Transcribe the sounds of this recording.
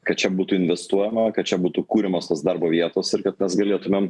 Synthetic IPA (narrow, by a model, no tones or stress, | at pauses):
kɐt̪̚t͡ʃʲɛbuːt̪ʊɪnʲʋʲɛst̪uɔjɛmɐkɐt̪̚t͡ʃʲɛbuːt̪ukuːɾʲɪmoːst̪oːsd̪ɐɾboːʋʲiɛt̪oːsɪɾkɐt̪mʲɛsɡɐlʲeːt̪ʊmʲem